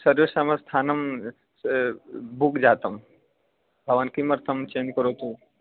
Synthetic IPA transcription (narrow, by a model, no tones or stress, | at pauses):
sɐɾjosamɐ̃st̪ʰaːnɐm | bukd͡ʒaːt̪ɐm | bʱɐʋaːnkimɐɾt̪ʰɐmt͡ʃeːnd͡ʒkəɾoːt̪u